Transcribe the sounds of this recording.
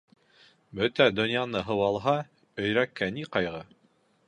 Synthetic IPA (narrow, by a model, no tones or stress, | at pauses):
bɵt̪æd̪ŏnjanɤɦɤ̆wɑlˠɦɑ | ɵ̆jɾækːæniqɑjʁɤ